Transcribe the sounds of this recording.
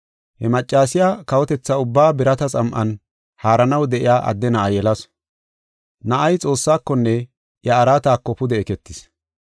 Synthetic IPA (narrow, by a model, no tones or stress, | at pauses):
hɛmɐt͡ʃʼːaːsɪjaːkɐwɔt̪ɛt͡sːɐʊbːaːbɪɾɐt̪ɐt͡sʼɐmʔɐn | haːɾɐnɐwd̪ɛʔɪjaːʔɐ̰d̪ːɛnɐʔɐjɛlɐs | nɐʔɐjt͡sʼo̞ːsːaːkːɔnːɛ | jɐːɾaːt̪aːkːɔpʊd̪ɛɛkɛt̪ːɪs